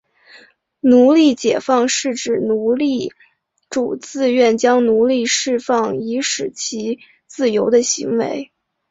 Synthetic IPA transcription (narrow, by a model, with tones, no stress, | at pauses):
nu˧˥li˥˩t͡ɕjɛ˨˩fɑ˥˧ŋʂɻ̩˥˩ʈ͡ʂɻ̩˨˩nu˧˥li˥˩ | ʈ͡ʂu˨˩t͡sɹ̩˥˧ɥɛ˥˩nt͡ɕjɑ˥ŋnu˧˥li˥˧ʂɻ̩˥˧fɑ˥˩ŋi˧˥ʂɻ̩˨˩t͡ɕʰi˧˥ | t͡sɹ̩˥˩jo˧˥ʊd̪ə˧ɕḭ˧˥ŋwḛ˧˥ɪ